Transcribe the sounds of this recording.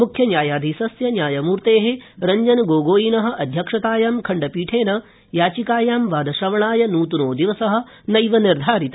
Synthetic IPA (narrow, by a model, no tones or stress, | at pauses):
mukʰjɐnjaːjaːd̪ʱisɐsjɐnjaːjɐmuːɾt̪eːɦeɾɐɲd͡ʒɐnɡoːɡoːjinɐɦɐ̆ʔɐd̪ʱjɐkʂɐt̪aːjaːmkʰɐɳɖɐpiːʈʰeːnɐ | jaːt͡ʃikaːjaːmʋaːd̪ɐʃɾɐʋɐɳaːjɐnuːt̪unoːd̪iʋɐsɐɦɐ̆ | nɐjʋɐniɾd̪ʱaːɾit̪ɐ